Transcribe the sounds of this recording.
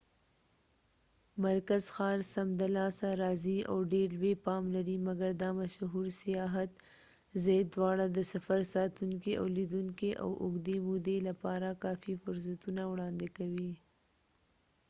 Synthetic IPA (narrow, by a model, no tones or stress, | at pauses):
maɾkazxɑːɾsamd̪alɑsaɾɑːzia̰wɖeɾlwepɑmlaɾimaɡaɾd̪amaʃɦuɾsijɑɦat̪ | zajd̪wɑɽad̪əsafaɾsɑːt̪uŋkeʔa̰wlid̪uŋkeʔa̰wʔʊɡd̪emud̪elapɑɾakɑːfifʊɾs̬at̪unawɽɑnd̪ekawi